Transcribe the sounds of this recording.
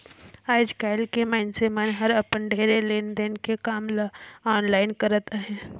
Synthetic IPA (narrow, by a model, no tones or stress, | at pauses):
aːd͡ʒkaːɪlkemaːɪnsemənɦɐɾɐpənɖʱeːɾeleːnd̪eːnkekaːmlɔːnlaːɪnkɐɾət̪aɦɛ̃ː